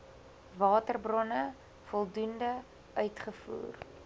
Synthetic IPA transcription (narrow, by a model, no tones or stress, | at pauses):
vɑːtərbrɔnə | fɔlˠdundə | œɥtχəfṵːr